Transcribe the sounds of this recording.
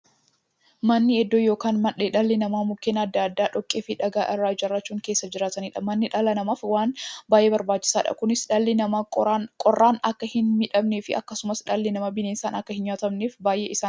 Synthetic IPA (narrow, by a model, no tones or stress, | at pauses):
mɐnːɪɛd̪ːojo̞ːkaːnmɐᶑeᶑɐlːɪnɐmaːmʊkːeːnɐd̪ːaːd̪ːaːᶑɔkʼːeːfɪᶑɐɡaːʔɪrːaːd͡ʒɐrːɐt͡ʃːuːŋke̞ːsːɐd͡ʒɪɾaːt̪ɐniːᶑɐmɐnːɪᶑɐlɐnɐmɐfwaːnbaːjʔebɐɾbaːt͡ʃːɪ̥saːᶑɐ̰kʊnɪsᶑɐlːɪnɐkʼɔrːaːnɐkːɐhɪnmɪᶑɐmneːfɪɐ̰kːɐsʊmɐsᶑɐlːɪnɐmɐbɪneːnsaːnɐkːɐhɪnjaːt̪ɐmneːfbaːjʔḛːʔɪsaː